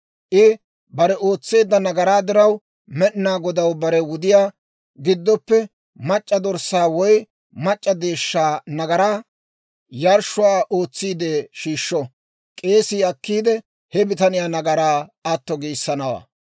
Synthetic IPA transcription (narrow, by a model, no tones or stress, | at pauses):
ʔɪ | bɐɾɛʔo̞ːt͡sːe̞ːd̪ːɐnɐɡɐɾaːd̪ɪɾɐw | mɛʔnaːɡɔd̪ɐwbɐɾɛwʊd̪ɪjaː | ɡɪd̪ːɔpːɛ | mɐt͡ʃʼːɐd̪ɔɾsaːwɔj | mɐt͡ʃʼːɐd̪e̞ːʃːaːnɐɡɐɾaː | jɐɾʃʊaːʔoːt͡sːiːd̪eːʃiːʃːɔ | kʼe̞ːsɪɐkːiːd̪ɛ | hɛbɪt̪ɐnɪjaːnɐɡɐɾaːɐt̪ːɔɡiːsːɐnɐwa̰ː